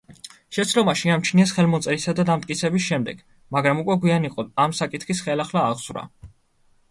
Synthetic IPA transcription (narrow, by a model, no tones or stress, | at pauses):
ʃɛt̪sʰlɔmaʃiamt͡ʃʰniɛsχɛlmɔt̪sʼɛɾisad̪ad̪amt̪ʼkʼit̪sʰɛbisʃɛmd̪ɛɡ̥ | maɡɾamukʼwɛɡwianiqʼɔamsakʼit̪ʰχisχɛlaχlaːʁz̥vɾa̰